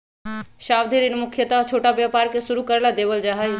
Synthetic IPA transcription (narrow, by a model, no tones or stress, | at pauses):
ʃaːwd̪ʱiɾɪnmʊkʰjət̪aɦt͡ʃʰoːʈabjaːpaːɾkesʊɾukəɾlad̪eːbəld͡ʒaːɦəj